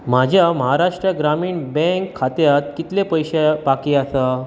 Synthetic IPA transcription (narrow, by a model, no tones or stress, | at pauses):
m̤ad͡ʑʱjaməɦaɾaʂʈɾjəɡɾamiːɳbɛ̃ŋkʰːat̪jat̪kit̪lepəjɕebakiːasa